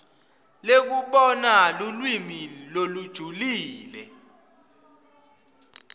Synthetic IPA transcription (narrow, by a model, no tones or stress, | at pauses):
lek̬uɓɔnalulwimilolud̥ʒ̥ʱuliːlɛ̰